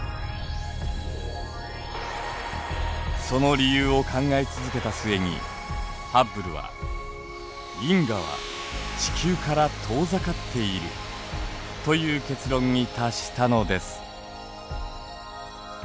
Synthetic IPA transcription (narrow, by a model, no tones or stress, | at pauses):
so̞no̞ɾʲijɯːo̞kʰãŋɡait͡sɨzɨke̞t̪asɨe̞ɲ̟ḭ | habɯ̟ɾɯ̟βa̰ | ɡʲĩŋɡaβ̞a̰ | t͡ɕi̥kʲɨːkaɾat̪ʰo̞ːzakat̪ʰːe̞iɾɯ̟̰ | t̪o̞jɯːke̞t͡sɨɾõ̞ɲːit̪aɕi̥t̪ano̞d̪e̞sɨ̥